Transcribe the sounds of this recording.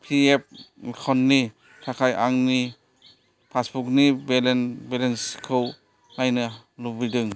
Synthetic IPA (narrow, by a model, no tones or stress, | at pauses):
pʰiep̚kʰɔnːi | kʰakʰajʔaŋni | pʰasbuk̚nibelenbelenskʰɯw | najnɯlubidɯŋ